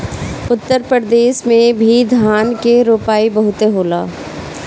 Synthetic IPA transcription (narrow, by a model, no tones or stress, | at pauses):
ʊt̪ːəɾpɾəɾd̪eːʃmẽbʱid̪ʱaːnkeɾoːpaːibɐɦʊt̪eɦoːlaː